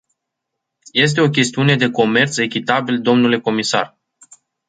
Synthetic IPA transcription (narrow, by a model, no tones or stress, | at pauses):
je̞s̬t̪e̞o̞kʲe̞st̪iune̞d̪e̞ko̞me̞rt̪se̞kʲit̪abild̪o̞mnule̞ko̞misa̰r